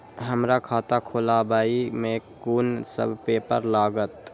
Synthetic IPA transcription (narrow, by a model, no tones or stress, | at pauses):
ɦəmɾakʰaːt̪akʰoːlabaːimẽkuːnsə̰bʱpeːpə̰ɾlaːɡət̪